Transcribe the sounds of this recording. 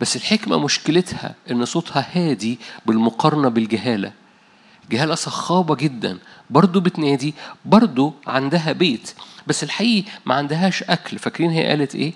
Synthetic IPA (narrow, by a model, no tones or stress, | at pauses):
bæsːelħekmæ̰moʃkelet̪hæ̰ʔenːsˤoːt̪hɑhæːd̪ibelmoqɑɾˤɑnɑbelɡæɦæːlæ̰ | lɡæɦæːlæsˤɑxːɑːbɑɡed̪ːæ̰nbɑɾˤd̪ˤobet̪næːd̪ibɑɾˤd̪ˤoʕand̪æɦæbeːt̪bæsːelħaʔiːʔmæ̰ʕand̪æɦæːʃʔæklfækɾiːnɦejːæ̰ʔæ̰ːlet̪ʔeː